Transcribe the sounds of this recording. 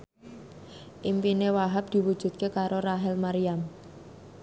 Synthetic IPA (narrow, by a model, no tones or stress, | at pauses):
ʔimpinewaɦap̚d̪̥i̤wud̥ʒ̥ṳt̪̚kekaɾoraɦɛlmaɾiam